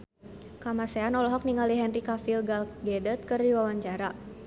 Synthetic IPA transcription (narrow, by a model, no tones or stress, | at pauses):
kamasɛanɔlɔɦɔk̚niŋaliɦɛnrikafilɡalɡɛdɛt̪̚kɨrdiwawaɲt͡ʃaɾa